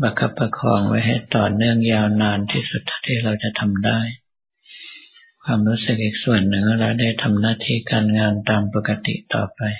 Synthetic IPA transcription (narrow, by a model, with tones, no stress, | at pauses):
ba˧kʰa˧˥pːa˧kʰɔː˨˩˦ŋwa̰˧˥˩jɦa˧˥˩jt̪ɔː˨˩nɯ˥˩əŋjaː˧wnaː˧nt̪ʰiː˥˩su˨˩t̪ʰːa˧˩t̪ʰiː˧˩ɾa˧wt͡ɕa˨t̪ʰa˧mdaː˥˩j | kʰwaː˧mɾuː˦˥˩sɯ˨˩k̚ʔiː˨˩k̚su˨˩ənːɯ˨˩ŋ˧ɾa˧˩wda˥˩jt̪ʰa˧mnaː˥˨t̪ʰiː˧˩kaː˨˧nŋaː˧nt̪aː˧mpo˧˩kːa˧t̪ḭ˨t̪ɔ̰ː˨˩pa˨˧j